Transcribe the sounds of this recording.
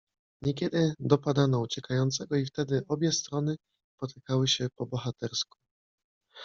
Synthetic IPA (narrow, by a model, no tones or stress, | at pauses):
ɲɛkʲɛd̪ɘd̪ɔpad̪anɔut͡ɕɛkajɔnt̪sɛɡɔift̪ɛd̪ɘʔɔbʲjɛst̪ɾɔnɘ | spɔt̪ʰɘ̥kawɘɕɛpɔbɔxat̪ɛɾsku̥